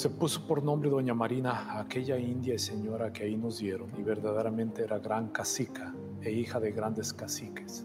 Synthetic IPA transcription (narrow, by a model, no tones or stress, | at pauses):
se̞pusopo̞ɾnõ̞mbɾeðoɲamaɾinaːke̞ʝaind̪jaiseɲo̞ɾakeaino̞zd̪je̞ɾoniβe̞ɾðaðeɾamẽnt̪eeɾaɣɾaŋkasika | eixaðeɣɾand̪eskasike̥s